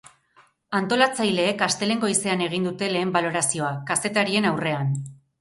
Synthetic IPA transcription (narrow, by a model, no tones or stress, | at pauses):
ant̪o̞lat͡sajle̞ːkast̪e̞le̞ŋɡo̞ise̞ane̞ɣ̞ind̪ut̪e̞le̞ːmbalo̞ɾasio̞akase̞t̪aɾie̞nawre̞an